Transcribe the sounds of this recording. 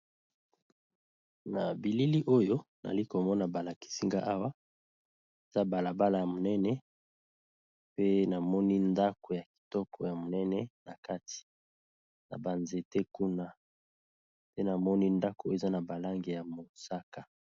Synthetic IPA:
na˨bi˨li˦li˦ʔo˦jo˦na̰˨li˦ko˨mɔ˦na˨ba˨la˨ki̥˦si˦ŋɡa˦ʔa˦wa˦ | e˨z̥a˦ba˨la˨ba˦la˨ja˨mo˨nɛ˦nɛ˦ | pe˦na˨mɔ˦ni˦nda˦ko˨ja˨ki̥˨tɔ˦kʰɔ˨ja˨mo˨nɛ˦nɛ˦na˨ka˦tʰi̥˨ | na̰˨ba˨nze˨te˦ku˦na˦ | pe˦na˨mɔ˦ni˦nda˦ko˨e˨za˦na˨ba˨la˦ŋɡe˨ja˨mo˨sa˦ka˨

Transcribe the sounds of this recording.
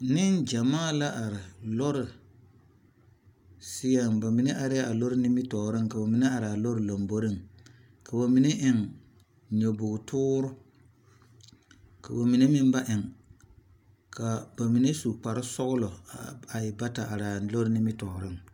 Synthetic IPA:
nɪ˦nd͡ʒa˨maː˦˨la˦ʔa˨ɾɪ˨lɔ˦ɾɪ˨ | sɪ˦ja˦˨m˨ba˨mi˨ne˦ʔa˨ɾɪ˦a˦a˨lo˦ɾɪ˦nɪ˦mɪ˦tɔ˨ɾɪ˦ŋka˨ba˨mi˨ne˦a˨ɾɪ˨a˨lo˦ɾɨ˨lo˨mbo˦ɾɪ˦ŋ | ka˨ba˨mi˨ne˦ʔɪ˨ŋ | ɲo˨bʊ˨ɡtʰʊː˦ɾʊ˦ | ka̰˨ba˨mi˨ne˦mɪ˦m˦ba˦ʔɪ˨ŋ | kʰa˨ba˨mi˨ne˦su˨k͡pa˨ɾɪ˦sɔ˦ɣʊ˦lɔ˨a˨jɪ˨ba˦ta˨ʔa˨ɾa˨lo˦ɾɪ˦nɪ˦mɪ˦tɔ˨ɾɪ˦ŋ

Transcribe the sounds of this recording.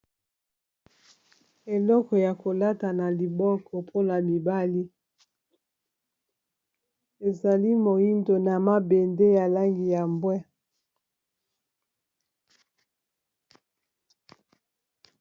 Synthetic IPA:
e˨lɔ˦kɔ˨ja˨ko˨la˦ta˨na˨li˨bɔ˦kɔ˨pʰo˦na˨mi˨ba˦li˦ | e˨za˨li˦mo˨ji˦ndo˨na˨ma˦be˨nde˦ja˨la˦ŋɡi˨ja˨mbwɛ˦

